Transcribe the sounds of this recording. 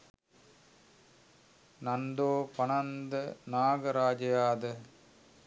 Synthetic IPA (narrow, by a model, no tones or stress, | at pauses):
nɐnd̪oːpɐnɐnd̪ɐnaːɡɐɾaːd͡ʒɐjaːd̪ɐ